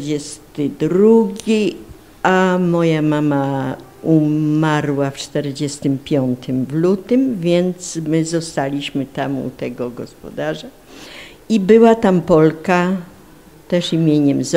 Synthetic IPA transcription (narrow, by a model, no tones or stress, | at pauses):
ɛst̪ɘd̪ɾuɡʲi | amɔjamama | umaɾwaft͡ʂt̪ɛɾd͡ʑɛst̪ɘmpʲjɔnt̪ʰɘmvlut̪ɘmvʲjɛnt̪smɘzɔst̪alʲiɕmɘt̪amṵt̪ɛɡɔɡɔ̰spɔ̰d̪aʐa | ibɘwat̪ampɔlka | t̪ɛʂimʲjeɲɛmz